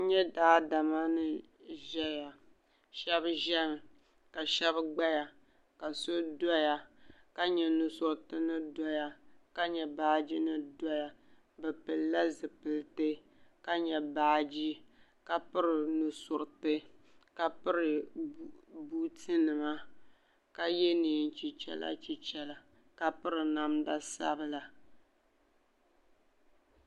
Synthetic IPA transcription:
ɲɛ˦daː˦da˨ma˦nɨ˨ | ʒɛ˦ja˨ | ʃɛ˦bʒɛ˦m˨ | ka˨ʃɛ˦βɡ͡ba˦ja˨ | ka˨so˦dɔ˦ja˨ka˦ɲɛ˨nu˨sʊ˨ɾtɨ˦nɨ˦dɔ˦ja˨ka˦ɲɛ˨baː˦d͡ʒi˦nɨ˦dɔ˦ja˨ | bɨ˨pɨ˨lla˦zɨ˨pɨ˨ltɨ˦ | ka˦ɲɛ˨baː˦˨d͡ʒi˦ | ka˦pɨ˦ɾɪ˨nʊ˨sʊ˨ɾtɨ˦ka˦pɨ˦ɾɨ˨ | buː˦tɨ˦nɨ˨ma˦ | ka˦jɛ˦niː˨n̩˨t͡ʃi˨t͡ʃɛ̰˦la̰˦t͡ʃi˨t͡ʃɛ˨la˨ | ka˦pɨ˦ɾɨ˨na˨mda˦sa̰˦bɨ˨la˨

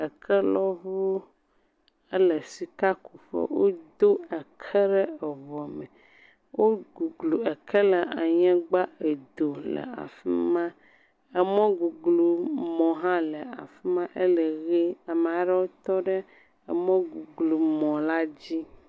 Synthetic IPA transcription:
ə˨kʰɛ˦lɔ˦vu˦ | ə˦lə˨si˨ka˦ku˨ɸɛ̰˦wo˦d̪o˦ə˨kʰɛ˦ɖɛ˦ɛ˨vɔ˨mɛ̃˨ | wo˦ɡu˨ɡlu˨ə˨kʰɛ˦lɛ˨ʔa̰˨ɲɛ̃˦ɡ͡ba˦e˨d̪o˨lɛ̰˨a̰˨fi˦mã˦ | e˨mɔ̃˦ɡu˨ɡlu˨mɔ̃˨ɦã˦lə˨a̰˨fi˦mã˦ʔe˦le˨ɣe˦a˨m˨˦ɖɛ˦wo˦t̪ɔ˦ɖɛ˦ | ə̰˨mɔ̃˦ɡu˨ɡlu˨mɔ̃˨la˦d͡ʑi˦

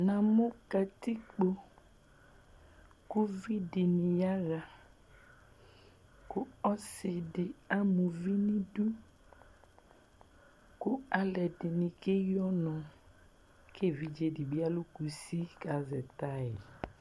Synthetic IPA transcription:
nã˨mʊ̃˦ka˨ti˦k͡po˨ | ku˦vi˦dɪ˨nĩ˨ja˦ɣa˨ | kʊ˦ɔ˦sɪ˨dɪ˨a˦mũ˨vi˦nĩ˦du˦ | kʊ˦a˨lɛ˨dɪ˨nĩ˨ke˦jɔ˦nɔ̃˨ | ke˦˨vi˦d͡ʒe˨dɪ˨bi˦a˦lu˦ku˨si˦ka˨zɛ˨ta˦ɪ˨

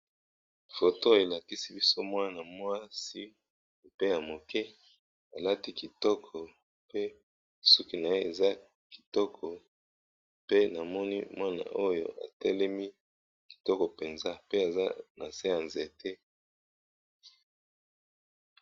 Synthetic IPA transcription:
fo˨to˦e˨la˨ki˦si˦bi˦so˦mwa˦na˨mwa˦si˦˨ | pe˦ja˨mo˨kʰɛ˦ | a˨la˦ti˦ki˨tɔ˦kʰɔ˨ | pe˦ | su˦ki˦na˨je˦e˨za˦ | ki̥˨tɔ˦kʰɔ˨ | pe˦na˨mɔ˦nḭ˦mwa˦na̰˨ʔo˦jo̰˦˨ʔa̰˨tɛ˦lɛ˦mi˦ | ki̥˨tɔ˦kɔ˨pe˨nza˦pe˦a˨za̰˦na˨se˦a˨nze˨tʰɛ˦

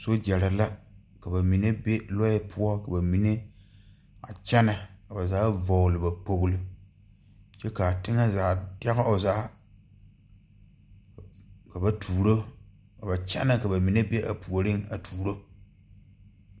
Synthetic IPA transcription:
so˦d͡ʒɛ˨ɾa˨la˦ | ka˨ba˨mi˨ne˦be˦lɔ˦jɪ˦pʰʊ˦ɔ˦ka˨ba˨mi˨ne˦ | a̰˨t͡ʃɛ˦na˨ka˨ba˨zaː˨˦vɔ˨lɨ˨ba˨k͡po˨ɣʊ˦lɨ˦ | t͡ʃɛ˦kaː˨tɪ˦ŋa˦zaː˨˦dɛ˦ɣa˦o˨zaː˨˦˨ | ka˨ba˨tʰuː˨ɾo˦ | ka˨ba˨t͡ʃɛ̰˦na˨ka˨ba˨mi˨ne˦be˦ʔa˨pu˨o˨ɾɪ˦ŋa˨tʰuː˨ɾo˦

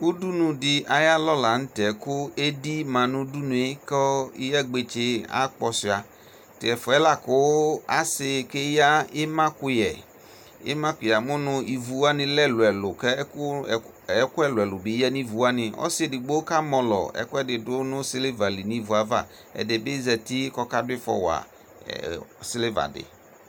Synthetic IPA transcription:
u˦du˦nũ˨dɪ˨a˨ja˦lɔ˦la˨n̩˦tɛ˨kʊ˦e˦di˦mã˨nʊ̃˦du˦nũ˨e˦kɔ˦i˦jɛ˦ɡ͡be˨t͡ʃe˦a̰˦k͡pɔ˧si˨a˨ | tɪ˨ɛ˨fʊ˨ɛ˦la˦kʊ˦a̰˦sɪ˧˨ke˦ja˦ɪ˦mã˦kʊ˦jɛ˨ | ɪ̰˦mã˦kʊ˨ja˨mʊ˦nʊ̃˦i˨vu˨˦a˦nɪ̃˨lɛ˦lʊ˨ɛ˨lʊ˨kɛ˦ʊ˦˨ | ɛ˦kʊ˦ɛ˦lʊ˨ɛ˨lʊ˨bi˨˦ɛ˦nĩ˦vu˨wa˦nɪ˨ɔ̰˦sɪ˦e˨di˨ɡ͡bo˦ka˦mɔ̃˨lɔ̰˨ɛ̰˨kʊ˦ɛ˦dɪ˨dʊ˦nʊ̃˦sɪ˦le˦va˨li˨nĩ˦vu˨a˨va̰˦˨ | ɛ̰˨dɪ˨bɪ˦zɛ˨ti˦kɔ˦ka˦dʊ˦ɪ˦fɔ̰˦wa̰˨ | sɪ˦le˦va̰˨dɪ̰˨

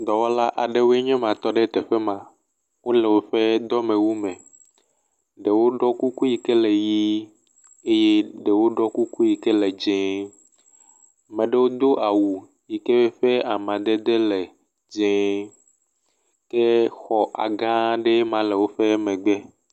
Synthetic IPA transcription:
d̪ɔ˨wɔ˦la˦ʔa˨ɖe˦wo˦e˦ɲɛ̃˦mã˨t̪ɔ˦ɖe˦t̪ɛ˨ɸɛ˦mã˨ | wo˦lɛ˨wo˦ɸe˦d̪ɔ˦mɛ̃˨wu˦mɛ̃˨ | ɖe˨wo˦ɖɔ˦ku˦ku˦ji˨kɛ˦lɛ˨ji˦ | e˦je˦ɖe˨wo˦ɖɔ˦ku˦ku˦ji˨kɛ˦lɛ˨d͡ʒɛ̃˦ | mɛ̃˨ɖe˦wo˦d̪o˦ʔa˨wu˨ | ji˨kɛ˦we˦ɸe˦a˨mã˨d̪e˦d̪e˦lɛ˨ | d͡ʒɛ̃˦ | ke˦xɔ˨ʔa̰˨ɡã˦ɖe˦mã˨lɛ˨wo˦ɸɛ˦mɛ̃˨ɡ͡bɛ˦

